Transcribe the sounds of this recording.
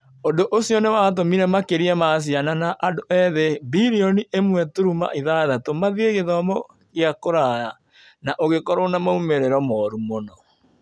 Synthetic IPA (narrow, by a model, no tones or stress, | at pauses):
ondoʔosiɔnewaːt̬omiɾɛmakeɾiɛmas̬jananaʔadoʔɛðebiɾiɔniʔemwɛtuɾuma̰ʔiðaðatomaðieɣeðɔmɔ | ɣiakoɾaja | naʔoɣekɔɾonamaumeɾeɾɔmɔɾumonɔ